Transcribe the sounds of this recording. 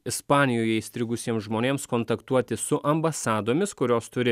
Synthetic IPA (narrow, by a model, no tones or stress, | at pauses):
ɪspɑːnʲɪjoːjɛiːst̪ʲɾʲɪɡʊsʲiɛmsʒmoːnʲeːmskɔːnt̪ɐkt̪uɔt̪ʲɪsʊʔɐmbɐsɑːd̪oːmʲɪskʊɾʲoːst̪ʊɾʲɪ